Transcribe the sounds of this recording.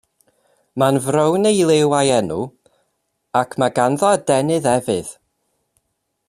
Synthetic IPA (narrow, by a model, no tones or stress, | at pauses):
manvrəwnejlˠewajɛnu | akʰmaɡanðɔədɛnɨðɛvɨð̥